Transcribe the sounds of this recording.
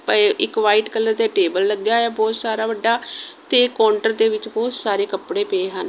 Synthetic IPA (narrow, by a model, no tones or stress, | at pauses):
pəɪkʋaːiːʈkəlːəɾd̪eːʈeːbəlːəɡːjaːɛːbɔːt̪saːɾaːʋəɖːaːt̪eːkɔːɳʈəɾd̪eːʋɪt͡ʃbɔːt̪saːɾeːkəpɽeːpeːɦən